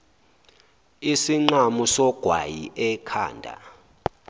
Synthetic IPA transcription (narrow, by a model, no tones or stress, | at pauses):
isiŋ͡ǃamusɔɡ̥ʱwa̰jiʔɛkʰa̰ːndʱa̰